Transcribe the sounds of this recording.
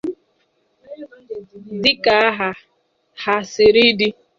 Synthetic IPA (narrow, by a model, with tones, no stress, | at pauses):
dɪ˦ka˨a˦ɦa˨ | ha˨sɪ˨ɾi˦di˦